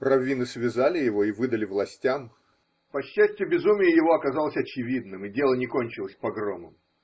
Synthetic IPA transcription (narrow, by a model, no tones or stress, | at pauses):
rɐvʲinɨsvʲɪzalʲɪjɪvoivɨd̪əlʲɪvlˠɐsʲtʲam | pɐɕːæsʲtʲɪjɪbʲɪzumʲɪjəjɪvo̞ɐkɐzalˠəsʲɐt͡ɕɪvʲid̪nɨmɪdʲelˠənʲɪko̞nʲt͡ɕɪlˠəsʲpɐɡromɨ̰m